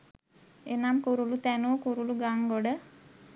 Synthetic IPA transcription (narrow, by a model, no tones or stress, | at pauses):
enamkuɾulut̪ænukuɾuluɡaŋɡoɖə